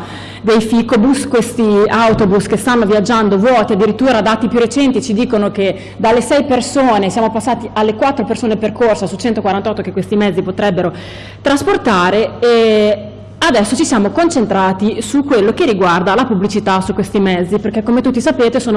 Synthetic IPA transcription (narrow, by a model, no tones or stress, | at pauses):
d̪ejfikobuskwest̪iawt̪obuskest̪anːoviad͡ʒːand̪ovwɔːt̪iad̪ːiɾit̪ːuːɾad̪aːt̪ipjurːet͡ʃɛnt̪it͡ʃid̪iːkonoke | d̪alːesɛjpersoːnesjaːmopasːaːt̪ialːekwat̪ːɾopersoːneperkorsasut͡ʃɛnt̪okwaɾant̪ɔt̪ːokekːwest̪imɛd̪zːipot̪ɾɛbːeɾo | t̪ɾasport̪aːɾee | ad̪ɛsːot͡ʃisjaːmokont͡ʃent̪ɾaːt̪isukːwelːokerːiɡward̪alapublit͡ʃit̪asukːwest̪imɛd̪zːiperkːekːomet̪ut̪ːisapeːt̪esoːno